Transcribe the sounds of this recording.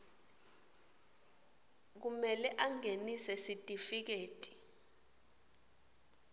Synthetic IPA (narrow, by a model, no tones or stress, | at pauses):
k̬umɛlɛʔaŋenisɛsitʼifik̬eːtʼi̥